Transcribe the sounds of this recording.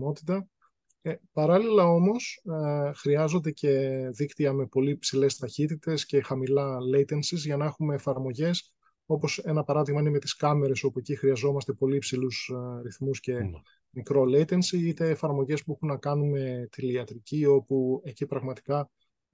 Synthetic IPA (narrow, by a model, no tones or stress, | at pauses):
mo̞t̪i̥t̪ɐ | epɐɾɐlilɐo̞mo̞sxɾiɐzo̞nd̪e̞ce̞ðikt̪iɐme̞po̞lipsile̞st̪ɐçit̪it̪e̞sce̞xɐmilɐlejt̪e̞nsizʝɐnɐe̞xumeːfɐɾmo̞ʝe̞s | o̞po̞se̞nɐpɐɾɐðiɣmɐineme̞t̪i̥skɐme̞ɾe̞so̞pue̞cixɾiɐzo̞mɐst̪e̞po̞lipsilusɾiθmusce̞ | mikɾo̞lejt̪ensiit̪e̞ːfɐɾmo̞ʝe̞spuexunːɐkɐnume̞t̪iliɐt̪ɾicio̞pue̞cipɾɐɣmɐt̪i̥kɐ